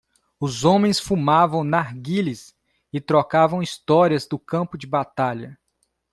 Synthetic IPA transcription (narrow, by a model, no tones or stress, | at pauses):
ʊzõmẽj̃sfumavɐ̃w̃naɾɡilis | ɪt̪ɾokavɐ̃w̃ist̪ɔɾiɐzd̪ʊkɐ̃mpʊd͡ʒɪbat̪aʎɐ